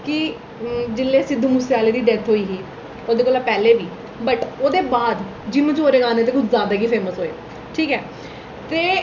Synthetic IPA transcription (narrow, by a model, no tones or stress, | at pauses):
kɪ | d͡ʒɪlːeːsɪd̪uːmʊseaːleːd̪iːɖɛt̪ʰɦoːiːɦiː | oːd̪eːkoːlaːpɛːleːʋiː | bəʈoːd̪eːbaːd̪ | d͡ʒimə̃t͡ʃoːɾeːɡãːneːt̪eːkʊd͡ʒzjaːd̪aːkiːpʰeːməsɦoːḛː | ʈʰiːkɦɛː | t̪eː